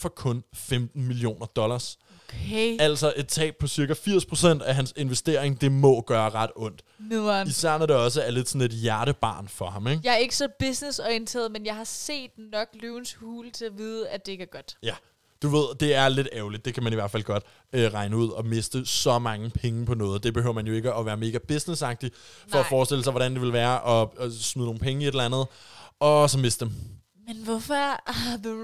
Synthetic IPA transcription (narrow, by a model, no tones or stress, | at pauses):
fɒ̽kʰɔ̽nfemd̥n̩milio̝̰ːnɐd̥ɒ̽lɐs | kʰeæl̰sɒ̽ʔe̝d̥̚t͡sʰɛ̰ːb̥̚pʰɒ̽siɐkæfiɐ̰spʰʁo̝sen̰d̥æɦænse̝nʋesd̥e̝ɐe̝ŋd̥e̝mɒ̽ɡ̥ɶːɐʁɑ̈d̥ɔ̽n̰d̥isæɐ̰næɾeɒ̽s̬əæɐle̝d̥sɔ̽ne̝d̥jæɐɾəb̥ɑ̈ːnfɒ̽ɦɑ̈meɡ̥jɑ̈ɪæɐe̝ɡ̥əsɒ̽b̥isnesɒnt͡sʰḛːð̩ˠmenjɑ̈ɪhɑ̈se̝̰ːd̥nɒ̽ɡ̥lyʊnshuːlt͡sʰe̝læʋiːð̞ˠəæd̥e̝eɡ̥æɐɡ̥ɒ̽d̥jæ | d̥uʋe̝ð̞̰ˠd̥e̝æɐle̝d̥ɛːʊlid̥̚ːe̝kʰæmæniʋæɐ̰̥fæl̰ɡ̥ɒ̽d̥ | øʁɑ̈ɪnəuð̞̰ˠɒ̽me̝sd̥əsɒ̽mɑ̈ŋəpʰeŋəpʰɒ̽nɔ̽ːð̞̩ˠd̥e̝b̥e̝høʊ̰ɐmænjo̝e̝ɡ̥əɒ̽ʋæːɐme̝ːɡ̥æb̥esnesɑ̈ɡ̥̚d̥i | fɒ̽ːfɒːsd̥e̝l̰əsɑɪʋɒ̽ɾænd̥e̝ʋe̝lʋæːɐʔɒ̽smyðˠno̝ːn̩pʰeŋəie̝ɾlænð̞̩ˠɒ̽sɒ̽me̝sd̥ə̥d̥em | menʋɔf | ð